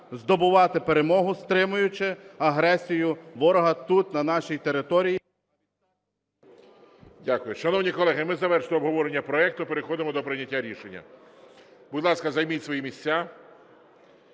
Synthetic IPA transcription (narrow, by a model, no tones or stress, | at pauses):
zd̪ɔbʊʋɑt̪ɪpeɾe̞mɔɦʊst̪ɾɪmʊjʊt͡ʃɪɐɦɾɛsʲijʊʋɔɾɔɦɐt̪ut̪nɐnɑʃijt̪e̞ɾɪt̪ɔɾʲij | dʲakʊjʊʃɐnɔwnʲikɔlˠɛɦɪmɪzɐʋɛɾʃt̪ɔːbɦɔʋɔɾenʲːɐpɾɔɛk̚t̪ʊpeɾexɔd̪ɪmɔd̪ɔpɾɪnʲːɐtʲːaɾʲiʃenʲːɐ̰ | bʊd̪lˠɑskɐzɐjmitʲsʋɔjimʲisʲt͡sʲa